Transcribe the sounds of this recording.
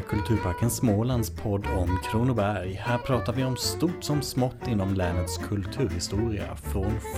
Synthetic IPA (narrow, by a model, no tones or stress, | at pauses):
kʰɵlt̪ʰʉ̟ːɾpʰaɾkənsmoːland̪spʰɔd̪ːɔmkʰɾuːnʊbæɾjhæːɾpʰɾɑːt̪aɾvɪɔmst̪uːʈsɔmsmɔt̪ːɪnːɔmlɛːnət̪skʰɵlt̪ʰʉ̟ːɾhɪst̪uːɾɪa̰fɾon